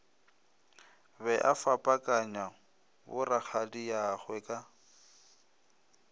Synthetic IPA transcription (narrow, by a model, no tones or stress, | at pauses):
bɛʔafapʼakʼaɲa | bʊrak͡xʰadijaχwɛkʼa